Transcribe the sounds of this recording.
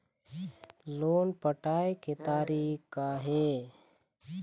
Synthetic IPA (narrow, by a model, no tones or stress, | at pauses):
loːnpəʈaːeket̪aːɾiːkaɦe